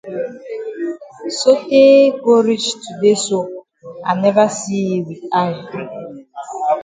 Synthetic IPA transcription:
so˦keː˦ɡo˦ɾi˦t͡ʃtu˨de˦so˦ | a̰˨ne˦va˦si˦˨wi˨a˦ja˨

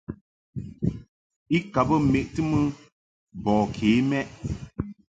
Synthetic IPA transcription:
i˦ka˨bɨ˦me˨ʔtɨ˦mɨ˦ | bɔ˨kʰeː˨˦mɛ˦ʔ

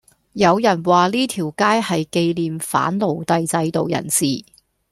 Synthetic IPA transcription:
jɐ˨˧wjɐ˨˩nwaː˨liː˥t̪ʰiː˨˩wkaː˥jhɐ˨jke˧jliː˨mfa̰ː˨˥nlo˨wt̪ɐ˧jt͡sɐ˧jt̪o˨wjɐ̰˨˩nsiː˨˩

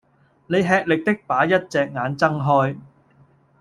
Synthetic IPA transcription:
ne˨jɦɛː˧k̚lɪ˨k̚t̪ɪ˥k̚paː˨˥jɐ˥t̚t͡sɛː˨k̚ŋaː˨˧nt͡sɐ˥ŋɦɔː˥j

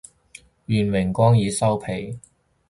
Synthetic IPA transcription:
jyː˨˩nmɪ˨˩ŋkʷɔː˥ŋjiː˨˧sɐ˥wpʰe˨˩j

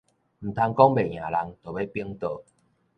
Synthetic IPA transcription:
m̩˨˩t̪ʰa˧ŋkɔ˦˥ŋbe˨˩˨j̃ã˨˩la˧ŋt̪o˨˩be˦pi˦əŋt̪ə˧˩

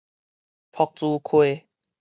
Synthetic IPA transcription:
pʰɔ˨˩k̚t͡suː˧˦kʰwe˧

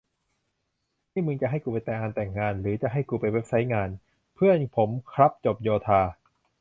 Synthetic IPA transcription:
t̪ʰiː˥˩mɯ˧ŋt͡ɕa˨˩ʔɦa˥˩jkuː˧p̬a˧jt̪ɛ˨˩ʔaː˧nt̪ɛː˨˩ŋːaː˧nɾɯː˩˦t͡ɕa˨˩ɦa˥˩jkuː˧˩pa˧jwe˦˥p̚sa˦˥jŋaː˧n | pʰɯ˥˩ənpʰo˩˦mkʰɾa˦˥p̚t͡ɕo˨˩p̚joː˧t̪ʰaː˧

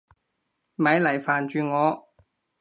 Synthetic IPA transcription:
mɐ˨˧˥jlɐ˨˩jfaː˨˩nt͡ʃyː˨˧ŋɔː˨˧

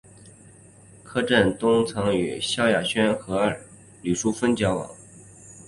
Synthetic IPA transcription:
kʰɤ˥ʈ͡ʂə˥˩nt̪ʊ˥ŋt͡sʰɤ˧˥ŋy̰˨˩ɕjɑ˥ʊja˨˩ɕɥɛ˥nxɤ˧˥ə˞˨˩ | ly˨˩ʂu˥fə˥nt͡ɕjɑ˧˥ʊwɑ̰˨˩˦ŋ

